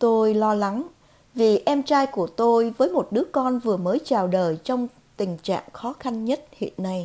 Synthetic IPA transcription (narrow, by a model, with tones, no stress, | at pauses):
t̪o˧jlɔ˧la˨˦ŋ | vi˨˩ʔɛ˧mt͡ɕaː˧jku˧˩ət̪o˧jvəː˨˦jmo˨˩t̚ɗɨ˨˦əkɔ˧nvɨ˨˩əməː˨˦jt͡ɕaː˨˩wɗəː˨˩jt͡ɕɔ˧wŋ͡m | t̪ï˨˩ŋ̟t͡ɕa̰ː˧˨ŋxɔ˨˦xa˧nɲə˦˥t̚hḭ˧˨ənːa˧j